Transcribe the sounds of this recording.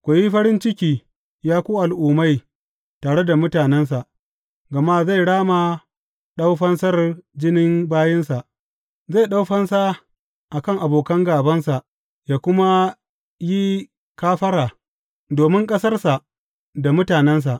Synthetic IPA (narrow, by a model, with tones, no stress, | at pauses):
kʷo˨ji˦ɸɐ˦ɾɪ˦nt͡ʃɪ˦kʲiː˦ | jaː˦kʷuː˦ʔa˨lʔuː˨ma˦j | taː˨ɽe˦da˨mʊ˦taː˨nɛ˦ns̬a˨ʔ | ɡɐ˨ma˦za˦˨jɽaː˦ma˨ | ɗa˦wɸɐ˦nsɐ˦rd͡ʒɪ˦nɪ˦mbaː˦jɛ˦nsa˨ʔ | za˦˨ɗa˦wɸɐ˦nsa˦ | ʔa˨kɐ˦ŋʔa˨boː˨kɐ˦ŋɡaː˨bɐ˦nsa˨ʔ | jaː˦kʷʊ˦ma˦ | ji˦ | kaː˦ɸɐ˦ɾaː˨ | doː˨mɪ˦ŋkʼɐ˦sɐ˦rsa˨ | da˨mʊ˦taː˨nɛ˦ns̬a˨ʔ